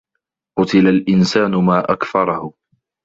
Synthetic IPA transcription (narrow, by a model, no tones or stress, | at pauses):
qʊt̪ɪlalʔɪnsaːnʊmaːʔakfɑɾˤɑhʊ